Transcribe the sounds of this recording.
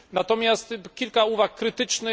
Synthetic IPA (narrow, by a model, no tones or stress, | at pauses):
nat̪ɔmʲjast̪kʲilkauvakːɾɘt̪ɘt͡ʂnɘ